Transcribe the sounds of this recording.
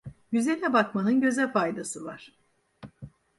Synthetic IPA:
jyze̞nʲɛbakmanɯnɟø̞zɛlʲfajd̪asɯvaɾ̥

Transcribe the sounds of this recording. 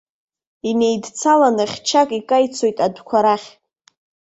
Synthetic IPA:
inejdt͡sʰalanɨχʲt͡ʃʰakʼikʼajt͡sʰojtʼadʷkʷʰaɾaχʲ

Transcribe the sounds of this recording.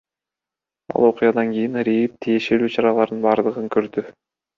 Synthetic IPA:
ɑ̰lˠo̞qʊjɑd̪ɑŋɡʲijinɾʲijip̚t̪ʰije̞ʃe̞lyːt͡ʃʰɑɾɑlˠɑɾd̪ɯnbɑːɾd̪ɯʁɯŋkʰøɾd̪y

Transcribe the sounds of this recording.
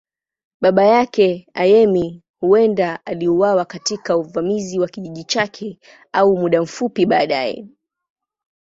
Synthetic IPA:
ɓaɓajakɛajɛmi | huɛndaaliuwawakatikauvamiziwakiʄiʄit͡ʃakʰɛ | aumuɗam̩fupiɓaːɗajɛ̰

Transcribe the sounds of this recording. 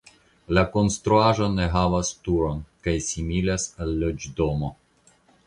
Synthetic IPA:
lako̞nst̪ɾuaʒo̞ne̞ɦavastuɾo̞nkajsimilasalːod͡ʒdo̞mo̞

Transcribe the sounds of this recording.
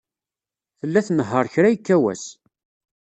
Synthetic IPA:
θəlːæθnəɦːəɾˤçɾæjəkːæwæ̰s

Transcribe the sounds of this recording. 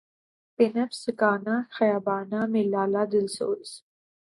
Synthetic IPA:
pinɐfsɨkaːnaxɐjaːbaːnamilːaːlad̪ɪlso̰ːɾis

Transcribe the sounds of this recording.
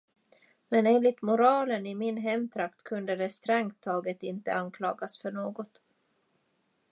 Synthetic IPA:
mɛneːnlɪt̪mʊɾɑːlənɪmɪnɦɛmːt̪ʰɾakt̪kʰɵnd̪əd̪ɛst̪ɾɛŋt̪ʰːɑːɡət̪ɪnt̪ə̰ankʰlɑːɡasfœɳoːɡɔt̪

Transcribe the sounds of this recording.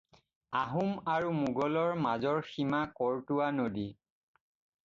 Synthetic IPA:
aɦumaɹumuɡɔlɔɹmazɔɹximakɔɹtʊwanodi

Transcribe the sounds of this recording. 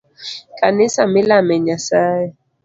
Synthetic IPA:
kanɪsamɪlamɛɲasaja

